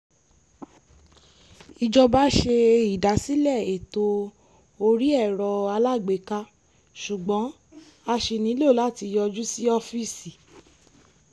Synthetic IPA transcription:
i˧d͡ʒɔ˧ba˦ʃe˧i˨da˨˦si˦lɛ˦˨e˨to˧ | o˧ɾi˦ɛ˦˨ɾɔ˧a˧la˦˨ɡ͡be˨˦ka˧ | ʃu˨ɡ͡bɔ̃˨˦ | a˧ʃe˨nĩ˨˦lo˦˨la˦˨ti˧jɔ˧d͡ʒu˦si˦ɔ˦fi˦˨si˨

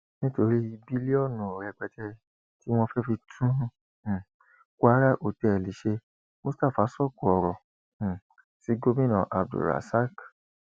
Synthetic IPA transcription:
nĩ˦to˧ɾi˦i˧bi˦li˦ɔ˦˨nũ˨o˨ɾɛ˧˨k͡pɛ˧tʰɛ˧ | ti˦w̃ɔ̃˧fɛ˦fi˧tʰũ˦˨ | ku˦a˦ɾa˦ʔo˨tɛ˨ɛ˨li˨˦ʃe˧ | mo˦sta˦˨fa˨˦sɔ˦˨ku˨ɔ˨ɾɔ̃˨ | si˨˦ɡo˦mĩ˦nã˨ʔa˨b̚dṵ˨ɾa̰˨sa˦k

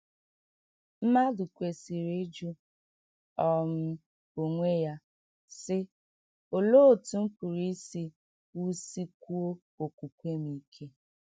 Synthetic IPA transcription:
m̩˦ma˦du˨kʷe˨si˨ɾe˦d͡ʒu˦ | ɔ˦m̩˦ | o˨ŋʷe˦ja˦ | sɪ˦ | o˨lo˦˨tu˨m̩˦pu˨ɾi˦si˦ | u˦si˦kʷu˦o˦ | o˨kʷu˨kʷe˦mi˨˦kʰe˦

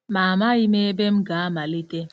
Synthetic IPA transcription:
ma˨ma˦ɣɪ˦me˦e˦be˦m̩˦ɡa˨a˦ma˨li˦te˦

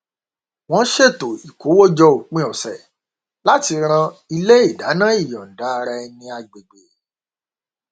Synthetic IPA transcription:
w̃ɔ̃˦ʃe˦˨to˨i˨ko˨˦wo˦d͡ʒɔ˧o˨k͡pĩ˦˧˦ɔ˨sɛ˨ | la˦ti˧ɾ̃ã˧i˧le˦i˦˨da˨˦nã˦i˦˨jɔ̃˨n̩˨da˨˦˧ɾa˧ɛ˧nĩ˧a˧ɡ͡be˨ɡ͡be˨

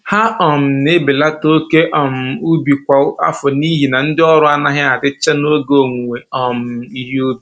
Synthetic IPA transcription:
ha˦ɔ˨m̩˨ne˦be˨la˦to˦ke˦ʔɔ˨m̩˨u˦bi˨kʷa˨˦a̰˦fʊ˨ni˦ɦi˨na˨n̩˦dɪ˦ɔ˦ɾʊ˦a˦na˦ɦɪ˦a˨dɪ˦t͡ʃa˦no˦ɡo˨ŋʷ˨e˨ɔ˨m̩˨i˦ɦi˦u˦bi˨

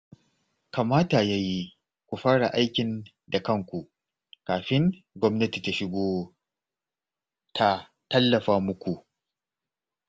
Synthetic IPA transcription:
ka˨maː˦ta˨jaː˦ji˦ | kʷu˨ɸaː˦ɽa˨ʔa˦jkʲɪ˨n | da˨kɐ˦˨ŋkʷu˨ | kaː˨ɸɪ˦ŋ | ɡʷɔ˦mnɐ˦ti˨ta˨ʃɪ˦ɡʷoː˦ | tʰa˨ | tɐ˦lːɐ˨ɸaː˦mʊ˦kʷu˨ʔ

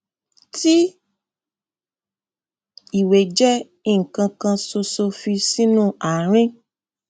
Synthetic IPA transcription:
ti˦ | i˨we˨d͡ʒɛ˦ | i˦˨ŋ̩˨kã˧kã˧so˧so˧fi˧si˦nũ˦a˨ɾ̃ĩ˦

